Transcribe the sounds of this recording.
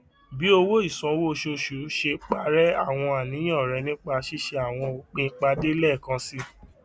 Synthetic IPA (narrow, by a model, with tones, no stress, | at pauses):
bi˨˦o˧wo˦i˦˨sɔ̃˨˧˦wo˦ʃu˧ʃu˨˦ʃe˧k͡pa˧˦ɾɛ˦a˦˨w̃ɔ̃˧a˨nĩ˨˦j̃ɔ̃˦˨ɾɛ˨˧nĩ˦k͡pa˧ʃi˦ʃe˧a˦˨w̃ɔ̃˧k͡pĩ˧˦k͡pa˧de˦lɛ˦˨kã˧si˦